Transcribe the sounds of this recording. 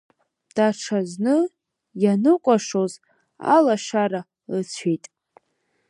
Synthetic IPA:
d̥aʈ͡ʂʰaznɨ | janɨkʷʼaʂoz | a̰laʂaɾa | ɨt͡sʷʰijtʼ

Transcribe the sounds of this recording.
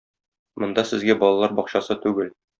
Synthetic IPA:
mŏnd̪ɑsɘ̆zɡæbɒlˠɑlˠɑɾbɒqɕɑsɤt̪ʉɡɘl

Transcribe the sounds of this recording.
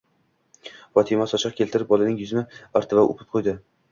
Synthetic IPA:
fɒt̪ʰɪmasɒt͡ʃʰɑqkʲʰe̞lt̪ʰɪɾɪp̚bɒlˠanɪŋjʊzmɪaɾt̪ʰɪvaʔo̰pʰɪ̥p̚qʰojd̪ɪ

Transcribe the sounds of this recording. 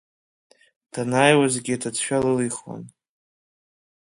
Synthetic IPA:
d̥anaːjwazɡʲidʰat͡sʰʃᶣalɨliχwa̰n

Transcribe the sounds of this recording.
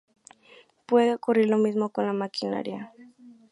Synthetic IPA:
pwe̞ðeokuriɾlo̞mismo̞ko̞nlamakina̰ɾja̰

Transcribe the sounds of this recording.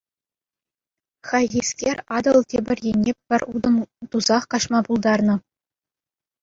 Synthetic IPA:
χɑɣʲiskʲerʲɑd̪ɤ̆lˠtʲebʲɘ̆rʲjenʲːepʲːɘ̆rʲud̪ɤ̆mt̪uzɑχkɑʂmɑpulˠd̪ɑrnɤ̆

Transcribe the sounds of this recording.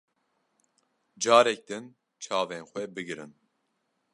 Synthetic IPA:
d͡ʒɑːɾɛk̚d̪ɨn | t͡ʃʰɑːveːnxʷɛbɨɡɨɾɨn

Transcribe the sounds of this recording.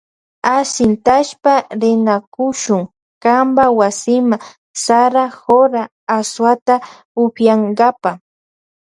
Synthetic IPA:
asɪnt̪aʃpaɾɪnakʊʃʊŋ | kambawasɪma | saɾahoɾaː | swat̪a | ʊpjaŋɡapa

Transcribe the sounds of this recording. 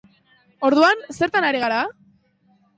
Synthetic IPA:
o̞ɾðuanse̞ɾt̪anaɾiɣaɾa

